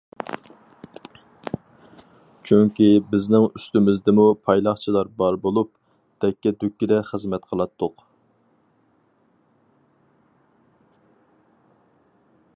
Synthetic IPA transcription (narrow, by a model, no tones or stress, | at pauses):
t͡ʃʰyŋkʲibɪznɪŋyst̪ymɪzd̪ɪmupʰɑjlˠɑχt͡ʃʰilˠɑɾbɑɾbolˠup̚ | d̪̥ɛkʲːɛd̪ykʲːid̪ɛχəzmɛt̪qʰəlˠɑt̪ʰːʊq